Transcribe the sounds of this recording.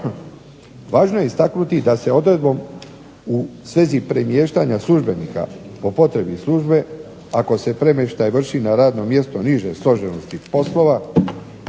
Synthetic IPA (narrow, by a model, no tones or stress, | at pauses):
ʋaːʒnoje̞ist̪aknut̪id̪ase̞o̞d̪ɾe̞d̪̚bo̞m | usʋe̞zipɾemje̞ːʃt̪aɲaslˠuʒbe̞niːka̰po̞po̞t̪ɾe̞bislˠuːʒbe̞ | ako̞se̞pɾe̞meʃt̪ajʋr̩ʃinaɾaːd̪no̞mje̞st̪o̞niʒe̞slˠo̞ʒe̞no̞st̪ipo̞slˠo̞ʋa